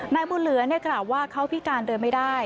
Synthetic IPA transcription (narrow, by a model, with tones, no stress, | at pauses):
naː˧jbuː˧nlɯ˨˩˦ɐni˥˩ɐklaː˨˩wːaː˥˩kʰa˦˥wpʰi˦˥kaː˧ndɤː˧nma˥˩jdaː˥˩j